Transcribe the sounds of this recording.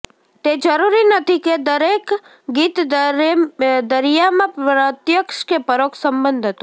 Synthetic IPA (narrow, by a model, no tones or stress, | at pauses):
t̪ed͡ʒəɾuɾinət̪ʰiked̪əɾek | ɡit̪ | d̪əɾijamãɾət̪jəkʃkepəɾokʰsəmbənd̪ʱət̪